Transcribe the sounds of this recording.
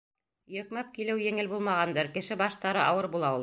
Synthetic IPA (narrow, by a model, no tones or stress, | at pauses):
jɵ̆kmæp̚kilɘwjɘ̆ŋɘlbulˠmɑʁɑnd̪ɤɾkɘ̆ʃɘbɑʃt̪ɑɾɤʔɑwɤɾbulˠɑulˠ